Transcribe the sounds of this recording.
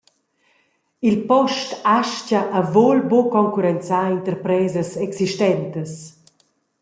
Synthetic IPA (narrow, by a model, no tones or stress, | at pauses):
ilpɔʃtaʃcaʔavolbokɔŋkuɾɛnt͡saint̪əɾpɾɛːzəsɛksiʃtɛnt̪əs